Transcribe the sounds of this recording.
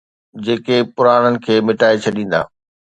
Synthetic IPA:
d͡ʑeːkepʊɾaːɽ̃ənɪ̆kʰeːmɪʈaːet͡ɕʰɐɗĩːn̆d̪a̰ː

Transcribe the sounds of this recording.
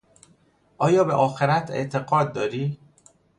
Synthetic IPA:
ʔɒːjɒːbeʔɒːxeɾæt̪ʰe̞̰ʔt̪ʰe̞ɣɒːd̪̚ːɒːɾiː

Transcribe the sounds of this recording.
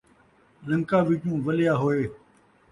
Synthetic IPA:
lə̃ŋkaːʋɪt͡ʃũːʋəlɪjaːɦoeː

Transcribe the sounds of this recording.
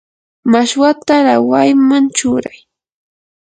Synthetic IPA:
maʃwat̪aɾawajmant͡ʃʊːɾaj

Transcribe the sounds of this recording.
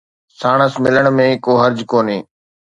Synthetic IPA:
saːɳ̃əsmɪləɽ̃mẽːkoːɦəɾd͡ʒkoːneː

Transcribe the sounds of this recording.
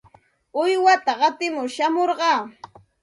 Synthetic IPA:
ʊjwat̪aɢɑt̪ɪmʊʃamoɾɢɑː

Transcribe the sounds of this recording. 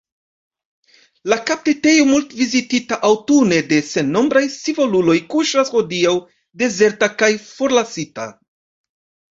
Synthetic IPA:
lakap̚tete̞jomultvizititaʔawtune̞de̞se̞nːo̞mbɾajsivo̞lulo̞jkuʃasho̞diaw | de̞ze̞ɾtakajfo̞ɾlasita̰

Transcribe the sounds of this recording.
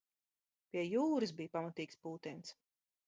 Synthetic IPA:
pʲiɛjuːɾɨsbijpamat̪iːkspuːt̪ins

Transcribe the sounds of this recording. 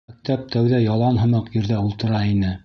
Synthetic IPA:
æk̚t̪æp̚t̪ʰæwðæjɑlˠɑnɦɤ̆mɤqjɵ̆ɾðæulˠt̪ɤ̆ɾɑinɘ

